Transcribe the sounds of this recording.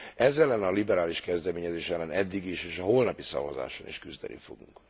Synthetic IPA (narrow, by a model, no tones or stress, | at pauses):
ɛzɛlːɛnɒlibɛɾaːliʃkɛzd̪ɛmeːɲɛzeːʃɛlːɛnɛd̪ːiɡiʃeːʃɒɦo̞lnɒpisɒ̰vɒza̰ːʃonḭʃkyzd̪ɛ̰nʔḭfo̞̰ɡuŋk